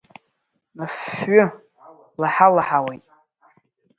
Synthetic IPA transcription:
nafːʊ | laħalaħawejtʼ

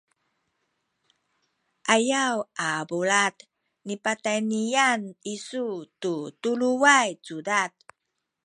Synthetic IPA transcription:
ʔajawabulat | nipatajnianisututuluwajt͡sudat̚

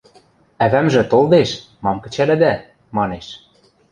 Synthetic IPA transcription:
æβæmʒɘ̆t̪old̪eʃ | mɑmkɘ̆t͡ɕælɘ̆d̪æ | mɑneʃ

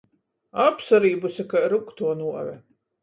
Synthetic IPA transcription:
apsaɾiːbusʲakaɾukt̪uɔnuɔvʲɛ

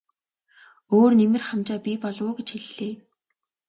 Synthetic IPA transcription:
oːrnemɘ̆rχamt͡ɕaːpʲipɔɮʊːɡet͡ɕxiɮːeː

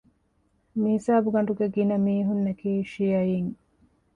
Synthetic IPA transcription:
mihisaːbuɡɐɳɖuɡeɡinɐmiːɦunːekiːʃijɐjiːŋ

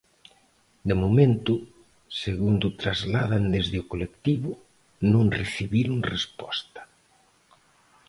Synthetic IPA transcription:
d̪emomẽnt̪ʊ | seɣund̪ʊt̪ɾazlaðand̪ezðɪʊkolekt̪iβʊ | nõŋreθiβiɾoŋrespɔst̪ɐ̥

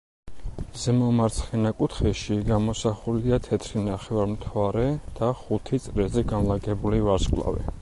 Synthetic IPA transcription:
z̥ɛmɔmaɾt̪sʰχɛnakʼut̪ʰχɛʃiɡamɔsaχulid̪at̪ʰɛt̪ʰɾinaχɛvaɾmt̪ʰaɾɛd̪̥aχut̪ʰit̪sʼɾɛzɛɡanlaɡɛbulivaɾskʼlˠa̰vɛ̰

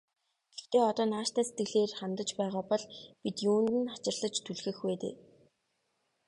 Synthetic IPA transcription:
ɡ̥ext̪eːɔt̪ɔːnaːʃt̪æːse̥t̪ɡɘ̆ɮeːrχamt̪ə̆t͡ɕpæːʁaːpɔɮpit̪juːnt̪ɘ̆nat͡ɕɪ̆rɮə̆t͡ɕt̪ʰuɮxɘ̆xweːt̪ḛː

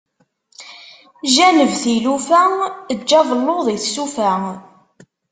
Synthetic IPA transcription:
ʒænəvθilufæəd͡ʒːɑvˤəlːoðˤiθsufæ

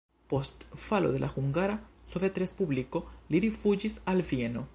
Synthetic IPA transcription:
po̞stfalo̞̰d̪e̞lʔa̰xuŋɡaɾasovetɾe̞spubliko̞liɾifud͡ʒisalvie̞no̞

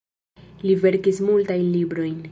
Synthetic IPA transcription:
live̞ɾkismultajnlibɾo̞jn

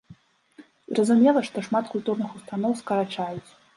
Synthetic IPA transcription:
zrɐzumʲɛlˠɐʂt̪ɔʂmat̪kulʲt̪urnɨxust̪anɔwskɐɾat͡ʂajut͡sʲ

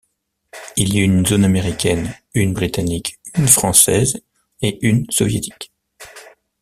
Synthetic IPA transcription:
iljnzonameʁikʲɛnynbʁit̪anikynfχɑ̃sɛz | eynsɔvjet̪ʰi̥k

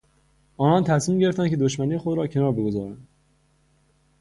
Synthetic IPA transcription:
ɒːnɒːnt̪ʰæsmiːmɟe̞ɾe̞ft̪æncʰe̞d̪oʃmæniːexod̪ɾɒːcʰe̞nɒːɾbe̞ɡo̞zɒːɾænd̪

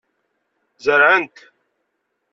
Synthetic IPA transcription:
zəɾʕənt̪

